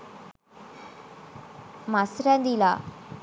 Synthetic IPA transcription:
masɾɛnd̪ila

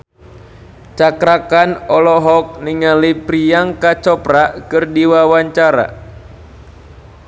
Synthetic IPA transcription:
t͡ʃakɾakanɔlɔɦɔk̚niŋalipɾiaŋkat͡ʃɔpɾakɨrdiwawaɲt͡ʃaɾa̰

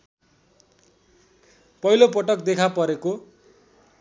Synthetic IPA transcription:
pʌjlopʌʈʌkd̪ekʰapʌɾeko

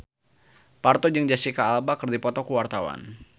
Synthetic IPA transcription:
part̪ɔd͡ʒəŋd͡ʒasikaːlbakərdipɔt̪ɔkuwart̪awa̰n

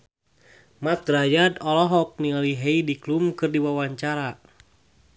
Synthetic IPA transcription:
mat̪̚ɾajadɔlɔɦɔk̚nialiɦeidiklumkɨrdiwawaɲt͡ʃaɾa

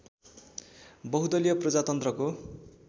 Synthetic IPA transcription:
bʌɦud̪ʌlijʌprʌd͡zat̪ʌnt̪rʌko

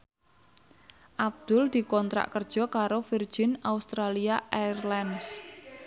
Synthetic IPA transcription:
ʔab̚d̪̥ʊld̪̥i̤kɔnt̪ɾa̰ʔkərd̥ʒ̥ɔ̤kaɾofir̥ʒ̥ɪnaust̪ɾaliaʔarlɛns

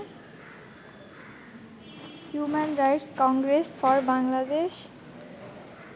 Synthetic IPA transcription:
hjumenɾajʈskɔŋɡɾesfʰɔɾbaŋlad̪es

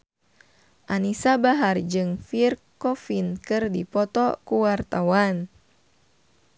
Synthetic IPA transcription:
ʔanisabaɦard͡ʒɨŋfirkɔfinkɨrdipɔt̪ɔkuwart̪awan

